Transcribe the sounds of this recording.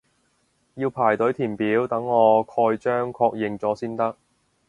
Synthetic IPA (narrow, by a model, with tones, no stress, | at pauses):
jiː˧wpʰaː˨˩jt̪ɵ˨˥ɥt̪ʰiː˨˩npiː˨˥wt̪ɐ˨˥ŋːɔː˨˧kʰɔː˧jt͡ʃœː˥ŋkʰɔː˧k̚jɪ˨ŋt͡sɔː˨˥siː˥nt̪ɐ˥k̚